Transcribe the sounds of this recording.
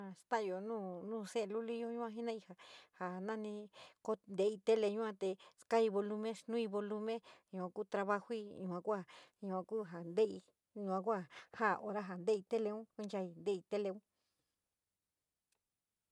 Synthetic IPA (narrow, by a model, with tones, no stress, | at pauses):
ã˧st̪ã˦˨jo˨nũː˦˨nũː˦˨se˦˧lu˦li˦jo˦ɲũ˦ã˧ɦi˦nã˦i˧ha˨ha˨nã˦nĩ˧ko˦nd̪e˧i˧t̪e˦le˧ɲũ˦ã˧t̪e˧ska˦i˧βo˧lu˧mẽ˦ʃnũ˦i˧βo˧lu˧mẽ˦ɲũ˧kʷã˧ku˦˧t̪ɾa˧βa˧hu˦i˦˧ɲũ˧ã˧kʷa˦˨ɲũ˧ã˧kuː˦ɦa˨nd̪e˦i˧ | ɲũ˧ã˧kʷa˦˨ha˦˨ʔo˧ɾa˦ɦa˨nd̪e˦i˧t̪e˦le˧ũ˦ku˦nt͡ʃa˧i˧nd̪e˦˧i˧t̪e˦le˧ũ˦